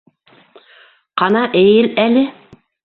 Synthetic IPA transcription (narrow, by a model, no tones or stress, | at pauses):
qɑnɑʔejɘlælɘ